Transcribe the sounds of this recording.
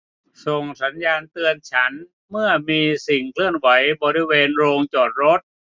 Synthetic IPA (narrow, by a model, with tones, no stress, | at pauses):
so˨˩ŋsa˩˦njaː˧nt̪ɯ˧ənt͡ɕʰa˦˥n | mɯ˥˩əmiː˧si˨˩ŋkʰlɯ˥˩ənwa˩˦˥jbɔː˧ɾi˧weː˧nɾoː˧ŋt͡ɕɔː˨˩t̪̚ɾo˦˥t̪̚